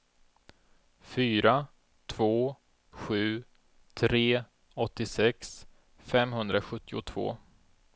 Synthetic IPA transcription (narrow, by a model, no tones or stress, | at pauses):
fyːɾa | t̪ʰv̥oː | ɧʉ̟ː | t̪ʰɾeː | ɔt̪ːɪsɛks | fɛmɦɵnd̪ɾaɧɵt̪ːɪʊt̪ʰv̥o̰ː